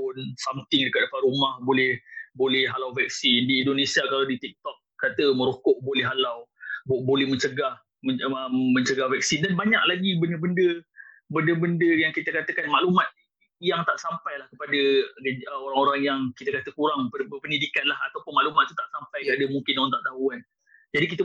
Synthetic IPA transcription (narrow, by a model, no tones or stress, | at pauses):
pʊnsamt̪ɪŋdəkat̪̚əparumahbolɛhbolɛhɦalawvɛk̚sindiindonesiakalawdit̪ik̚t̪ɔk̚kat̪əməɾokɔʔbolɛɦalawbbolɛhmə̃ɲt͡ʃəɡah | məəmə̃ɲt͡ʃəɡahvɛk̚sidanbaɲa̰ʔ̚laɡibəndəbəndəbəndəbəndəjaŋkit̪əkat̪əkanmaʔlumat̪̚ | jaŋt̪aʔsampajlahkəpadəəoɾaŋoɾaŋjaŋkit̪əkat̪əkuɾaŋpəpənidikanlaɦat̪awpʊnmaʔlumat̪̚ːut̪aʔsampajadəmuŋkɪnoat̪aʔt̪aɦuan | d͡ʒadik̬it̪ə